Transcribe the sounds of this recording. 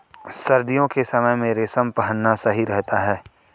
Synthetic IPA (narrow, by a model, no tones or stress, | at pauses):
sɐɾd̪ijõkesɐməjmẽɾesɐmpɐɦənːasɐɦiɾɛɦt̪aɦɛː